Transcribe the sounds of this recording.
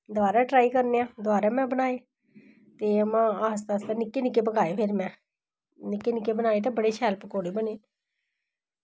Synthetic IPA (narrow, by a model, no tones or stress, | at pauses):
d̪ʊʋaːɾaːʈɾaːikəɾneːãːd̪ʊaːɾãːmɛ̃ːbənaːeː | t̪eːəmãːaːst̪aːst̪aːnɪkːeːnɪkːeːp̬əkaːeːpʰeːɾmɛ̃ː | nɪkːeːnɪkːeːbənaːeːt̪aːbəɽeːʃɛːlpkoːɽeːbəneː